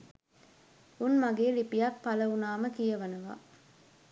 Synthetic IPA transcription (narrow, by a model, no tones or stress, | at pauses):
unmaɡeːɾipijakpɐlɐunaːməkijɐʋɐnɐʋa̰ː